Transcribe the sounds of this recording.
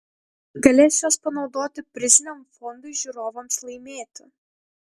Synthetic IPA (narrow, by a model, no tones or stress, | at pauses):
ɡɐlʲeːsʲjoːspɐnɒʊd̪oːt̪ʲɪpʲɾʲɪzʲnʲɛmfɔnd̪ʊɪʒʲuɾoːʋomslˠɐɪmʲeːt̪ʲʊ